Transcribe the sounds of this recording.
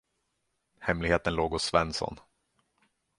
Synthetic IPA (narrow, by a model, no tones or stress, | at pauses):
hɛmlɪɡheːt̪ənloːɡʊssvɛnsɔ̰n